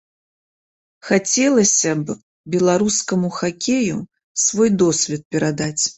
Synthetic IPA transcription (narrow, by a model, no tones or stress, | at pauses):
xat͡sʲɛlˠɐsʲɐb | bʲɛlˠaɾuskɐmuxakʲejṵ | svɔjd̪ɔsʲvʲɛt̪̚pʲɛɾad̪at͡sʲ